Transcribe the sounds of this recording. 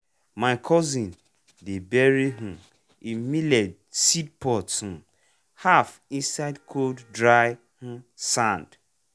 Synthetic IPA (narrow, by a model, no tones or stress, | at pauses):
maɪkʰɔzĩn | debeɾiɦ̩ | immiled | sid̚pɔth̩ | haf | insaɪdkʰolddɾaɪ | h̩sãnd